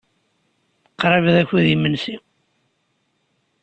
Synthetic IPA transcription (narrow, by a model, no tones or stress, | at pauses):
qːɾˤɑvðæçiðimənsi